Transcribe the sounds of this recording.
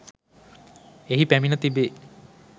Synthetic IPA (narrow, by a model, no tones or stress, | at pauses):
eɦipæminət̪ibe